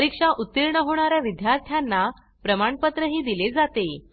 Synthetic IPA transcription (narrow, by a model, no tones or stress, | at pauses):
ɾikʂaʔut̪ːiɾɳəɦoɽ̃aɾjaʋid̪jaɾt̪ʰjanːa | pɾəmaɳpət̪ɾəɦiːd̪iled͡zat̪e